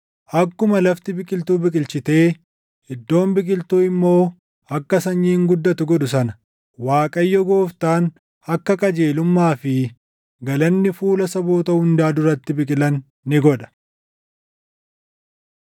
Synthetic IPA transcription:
ʔɐkːʊmɐlɐft̪ɪbɪkʼɪlt̪uːbɪkʼɪlt͡ʃɪt̪e̞ː | hɪd̪ːo̞ːmbɪkʼɪlt̪uːɪmːo̞ː | ɐkːɐsɐɲːiːŋɡʊd̪ːɐt̪ʊɡɔᶑʊsɐnɐ̥ | waːkʼɐjːɔɡo̞ːft̪aːn | ɐkːɐkʼɐd͡ʒe̞ːlʊmːaːfɪ | ɡɐlɐnːɪfuːlɐsɐboːt̪ɐʊnd̪aːd̪ʊɾɐt̪ːɪbɪkʼɪlɐnː | ɪɡɔᶑɐ̥

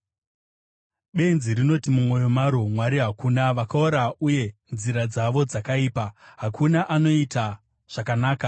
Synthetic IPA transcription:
ɓe̞nziɾino̞timumwo̞jo̞maɾomwaɾiɦakunaʋakaoɾauje̞nziɾad͡zaʋo̞d͡zakaiːpaɦakʰunaʔano̞ita | ʐ̥akanaːka

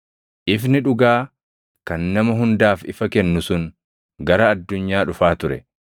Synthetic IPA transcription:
ʔɪfnɪᶑʊɡaː | kɐnːɐmɐɦʊnd̪aːfɪ̰fɐkɛnːʊsʊŋ | ɡɐɾɐːd̪ːʊɲːaːᶑʊfaːt̪ʊɾɛ̰

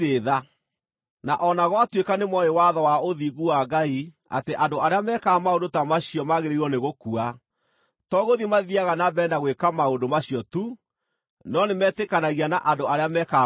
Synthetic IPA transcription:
eða | naʔɔnaɣɔatwekanemwɔewaðɔwaoðiɣuwaɡai | a̰teʔandoaɾeamɛkaːmaondotamaɕiɔmaɣeɾeiɔneɣokua | tɔɣoðimaðiaɣanabɛndaɣwekamaondomaɕiɔtu | nɔnemɛtekanaɣianaʔandoaɾeamɛka

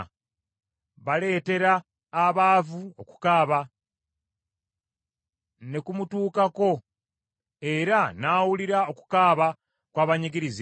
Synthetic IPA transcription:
βale̞ːte̞ɾaː | βaːvuoku̥kaːβa | ne̞kumutuːkako̞ | e̞ɾanaːwuliɾao̞ku̥kaːβa | kwaːβaɲiɡiɾizi

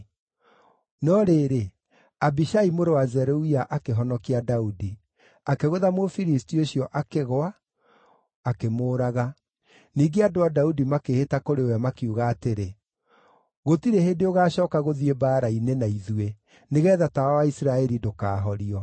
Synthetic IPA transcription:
nɔɾeːɾe | abiʃaimoɾewazɛɾoiaʔakeɦɔnɔkiadaudi | akeɣoðamofiɾistioɕiɔʔakeɣoa | kemoːɾaɣa | niːɡeadoadaudimakehetakoɾeoamakjuɣaːteɾe | ɣotiɾehendeoɣaːɕɔːkaɣoðiebaːɾainenaiðue | neɣɛðatawawaisɾaɛɾidokaːɦɔɾiɔ

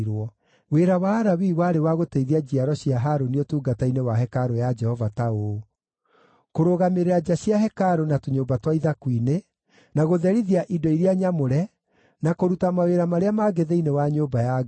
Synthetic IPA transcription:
ɾwɔ | weɾawaːɾawiwaːɾewaɣoteiðiad͡ʑiaɾɔɕiaɦaɾoniotuːɡatainewaɦɛkaɾojad͡ʒɛhɔvatao | koɾoɣameɾead͡ʑaɕjaɦɛkaɾonatoɲoːbatwaiðakwine | naɣoðɛɾiðiaʔidɔiɾeaɲamoɾɛ | nakoɾutamaweɾamaɾeamaɡeðeinewaɲoːbaja

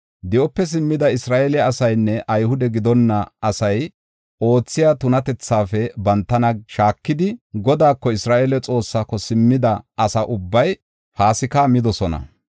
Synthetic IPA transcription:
d̪ɛʔɔpːɛs̬ɪmːɪd̪ɐɪsɾaːʔɛlɛɐsɐjnːɛʔɐjhʊd̪ɛɡɪd̪ɔnːɐɐsɐj | ʔo̞ːt͡sːɪjat̪ʊnɐt̪ɛt͡sːaːfɛbɐnt̪ːɐnɐʃaːkːɪd̪ɪɡɔd̪aːkːɔɪsɾaːʔelɛt͡sʼo̞ːsːaːkɔsɪmːɪd̪ɐʔɐsɐʔʊbːɐj | haːsɪkamɪd̪ɔsɔnɐ̰

